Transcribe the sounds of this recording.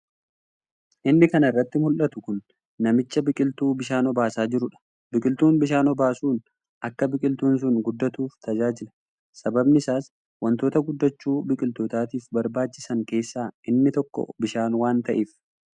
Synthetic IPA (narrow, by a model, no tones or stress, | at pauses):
ʔɪnːɪkɐnɐɪrːɐt̪ːɪmʊlʔɐt̪ʊkʊnː | ɐmɪt͡ʃːɐbɪkʼɪlt̪uːbɪʃaːnɔbaːsaːd͡ʒɪɾʊᶑɐ̥ | bɪkʼɪlt̪uːnbɪʃaːnɔbaːsuːn | ʔɐkːɐbɪkʼɪlt̪uːns̬ʊnɡʊd̪ːɐt̪uːft̪ʰɐd͡ʒaːd͡ʒɪlɐ̥ | sɐbɐbnɪsaːs | wɐnt̪o̞ːt̪ɐɡʊd̪ːɐt͡ʃːuːbɪkʼɪlt̪ot̪aːt̪iːfbɐɾbaːt͡ʃːɪsɐŋke̞ːsːaːʔɪnːɪt̪ɔkːɔ̰bɪʃaːnwaːnt̪ɐʔiːf